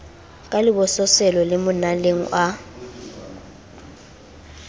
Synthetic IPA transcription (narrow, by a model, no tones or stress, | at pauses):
kʼalɪbɔsɔsɛlɔlɪmʊnaleŋ̩̰ʔa